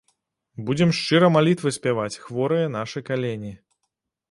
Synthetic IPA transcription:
bud͡zʲɛmʂt͡ʂɨɾɐmalʲit̪vɨsʲpʲavat͡sʲxvɔɾɨjɐn̪aʂɨjkalʲenʲi

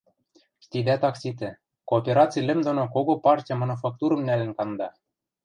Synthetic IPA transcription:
ʃt̪id̪æt̪ɑksʲit̪ɘ̆ | koːpʲeɾɑt͡sijlʲɘ̆md̪onokoɣopɑrtʲijɑmɑnufɑk̚t̪uɾɤ̆mnælɘ̆nkɑnd̪ɑ

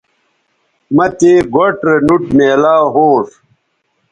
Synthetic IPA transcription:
mɐt̪eɡoʈɾenuʈmeːlaːɦoːʂ

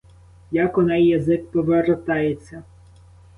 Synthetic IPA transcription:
jakɔnɛjːɐzɪkpɔʋeɾɔt̪ɑjet͡sʲːɐ

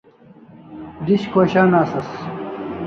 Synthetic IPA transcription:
d̪iɕkʰoːɕaːnaːsɐs

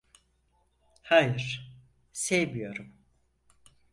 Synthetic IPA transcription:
hajɯɾ̥ | sejmijo̞ɾum

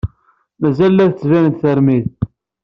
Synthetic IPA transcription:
mæzælːæðt͡sːvænənt̪θəɾmið

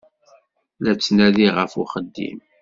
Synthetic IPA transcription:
læt͡sːnæðiʁəfṵχəd̪ːḭm

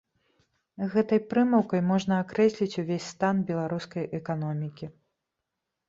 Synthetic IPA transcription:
ɣɛt̪ɐjpɾɨmɐwkɐjmɔʐnɐakɾɛsʲlʲit͡sʲuvʲesʲst̪anbʲɛlˠaɾuskɐjʔɛkanɔmʲikʲi

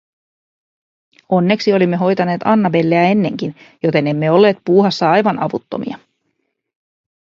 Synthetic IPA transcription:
o̞nːe̞ksio̞limːe̞ɦo̞jt̪ɑne̞ːt̪ɑnːɑbe̞lːeæe̞nːe̞ŋk̟injo̞t̪e̞ne̞mːe̞o̞lːe̞ːt̪̚puːɦɑsːɑɑjʋɑnɑʋut̪ːo̞̰mḭɑ

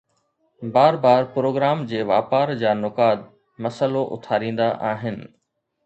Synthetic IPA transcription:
baːɾbaːɾpɾoːɡɾaːmd͡ʑeːʋaːpaːɾd͡ʑaːnʊkaːt̪̚ | mɐsəloʔʊ̰t̪ʰaːɾĩːn̆d̪aʔaːɦɪnɪ̆

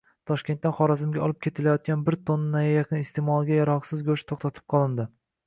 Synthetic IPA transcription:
t̪ʰɒʃkʲe̞nt̪ːanχɒɾazɪmɡʲaɒlˠɪp̚kʲʰe̞t̪ʰɪlajɒt̪̚ɡʲanbɪɾt̪ʰonːajajaqʰɨnɪst̪ʰe̞mɒlˠɡʲajaɾɒqsɪzɡʲɵʃt̪ʰoχt̪ʰat̪ʰɪ̥p̚qʰɒlˠɪnd̪ɪ

